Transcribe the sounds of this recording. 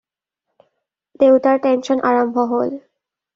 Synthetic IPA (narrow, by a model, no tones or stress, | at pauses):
t̪ewt̪aɾʈenʃɔnʔaɾambʱɔɦol